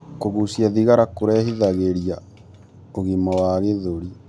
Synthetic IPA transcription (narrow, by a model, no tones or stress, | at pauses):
koɣusjaðiɣaɾakoɾɛːhiðaɣeɾia | oɣimɔwaɣeðoɾi